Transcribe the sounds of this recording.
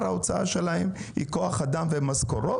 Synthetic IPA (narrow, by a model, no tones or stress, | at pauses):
ɾao̞t͡saa̰ʃe̞lahemhḭko̞aχad̪amvemazkoɾo